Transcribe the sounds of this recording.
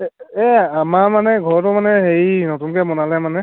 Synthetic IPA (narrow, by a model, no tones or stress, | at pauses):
ɛamaɹmanɛɡʱɔɹɔtʊmanɛɦeɹinotunkɛmɔnalɛmanɛ